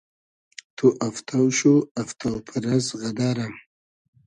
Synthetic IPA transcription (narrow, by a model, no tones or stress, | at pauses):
t̪ʰoʔaft̪ʰawʃuaft̪awpʰəɾazɣad̪aɾam